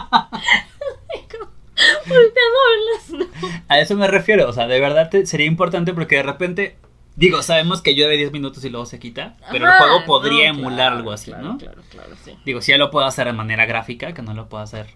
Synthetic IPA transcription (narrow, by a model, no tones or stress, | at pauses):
eko | olt̪aðoelasnoae̞so̞mere̞fje̞ɾoːseaðe̞β̞e̞ɾðaðt̪ese̞ɾiaimpo̞ɾt̪ant̪̬e̞p̬o̞ɾkeðe̞re̞pe̞nt̪e̞ | d̪iɣo̞saβe̞mo̞ske̞aʝuðaβeðjezmĩnut̪o̞silwe̞ɣose̞kit̪ape̞ɾoxweɣopo̞ðɾiaemulaɾalɣoasḭno̞lala̰d̪iɣo̞siʝalopwe̞ðoase̞ɾðe̞mane̞ɾaɣɾafikake̞no̞lopwe̞ðoaseɾ